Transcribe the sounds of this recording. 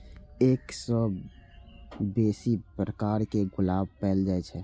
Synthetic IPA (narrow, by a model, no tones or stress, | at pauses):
eːksəb | beːsipɾəkaɾkeɡʊlaːbpɛːld͡ʒaɛt͡ʃʰɛ